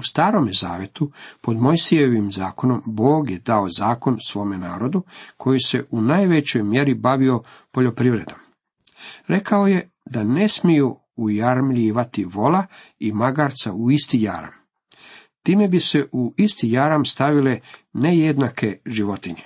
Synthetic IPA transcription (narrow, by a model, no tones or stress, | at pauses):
ust̪aːɾo̞mjezaːʋje̞t̪upo̞d̪mo̞jsije̞ʋimzaːko̞no̞mbo̞ːɡjed̪ao̞zaːko̞nsʋo̞ːme̞naːɾo̞d̪ukʰo̞jise̞ʔunaːjʋet͡ɕo̞jmje̞ɾibaʋio̞po̞ʎo̞pɾiːʋɾe̞d̪om | ɾe̞kao̞je̞ | d̪ane̞smiju | ujaɾmʎiːʋat̪iʋo̞la | imaɡaːɾt̪sa̰uist̪ija̰ɾa̰m | t̪iːme̞bise̞ʔuist̪ijaɾamst̪aʋile̞ne̞jed̪nakʰe̞ʒiʋo̞t̪iɲe